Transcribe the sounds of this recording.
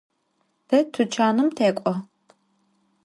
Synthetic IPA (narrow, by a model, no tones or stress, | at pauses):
d̥ɐtʰɨt͡ʃʰaːnɨmtʰeːkʷʼɔ